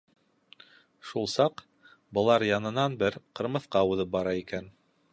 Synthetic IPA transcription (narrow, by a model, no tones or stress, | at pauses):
ʃulˠsɑq | bɤ̆lˠɑɾjɑnɤ̆nɑnbɘɾqɤ̆ɾmɤ̆θqɑuðɤp̚bɑɾɑikæn